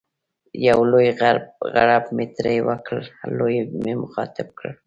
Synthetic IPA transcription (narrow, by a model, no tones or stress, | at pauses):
jawlʊjaɢɑ̰ɾapmɪt̪ɾajwakʰalalʊjmɪmʊχɑːt̪ɪp̚kʰa̰ɾ